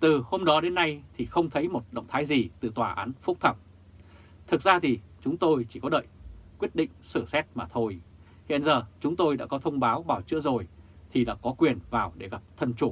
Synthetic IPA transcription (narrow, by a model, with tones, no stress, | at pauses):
t̪ɨ˨˩ho˧mɗɔ˨˦ɗe˨˦nːa˧jt̪ʰi˨˩xə˧wŋ͡mt̪ʰə˨˦jmo˨˩t̚ɗə̰˧˨wŋ͡mt̪ʰaː˨˦jzi˨˩t̪ɨ˨˩t̪waː˨˩ʔa̰ː˨˦nfʊ˦˥k͡p̚t̪ʰə˧˩ŋ͡m | t̪ʰɨ˨˩k̚zaː˧t̪ʰi˨˩t͡ɕʊ˨˦ŋ͡mt̪o˧jt͡ɕi˧˩kɔ˨˦ɗə̰ː˧˨jkwi˦˥ət̚ɗḭ̈˧˨ŋ̟sɨ˧˩sɛ˦˥t̚maː˨˩t̪ʰo˧j | hḭ˧˨ənzəː˨˩t͡ɕʊ˨˦ŋ͡mt̪o˧jɗa̰ː˧˥kɔ˨˦t̪ʰə˧wŋ͡mɓaː˨˦wɓaː˨˩wt͡ɕɨ̰˧˥əzo˨˩jt̪ʰi˨˩ɗa̰ː˧˥kɔ˨˦kwi˨˩ənvaː˨˩wɗe˧˩ɣa˨˩p̚t̪ʰə˧nt͡ɕu˧˩